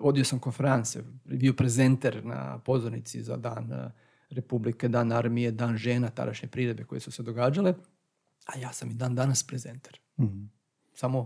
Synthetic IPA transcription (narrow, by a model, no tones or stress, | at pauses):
o̞d̪io̞samko̞nfeɾant̪sijebio̞pɾeze̞nt̪eɾna̰po̞zoɾnit̪sḭza̰d̪aːn | ɾepublike̞d̪aːnaɾmijed̪aːnʒe̞ːnat̪a̰d̪a̰ʃɲepɾiɾe̞d̪̚be̞ko̞jesused̪oɡaːd͡ʒale | ajaːsamid̪aːnd̪anaspɾezent̪eɾ | samo̞